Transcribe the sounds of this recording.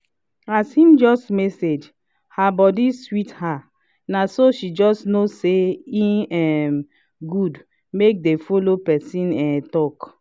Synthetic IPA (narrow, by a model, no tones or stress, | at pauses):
ashĩmd͡ʒɔstmɛsed͡ʒ | habɔdiswitha | nasoʃid͡ʒɔstnoseĩɛm | ɡud | mek̚defolopɛsĩnɛ̃tɔk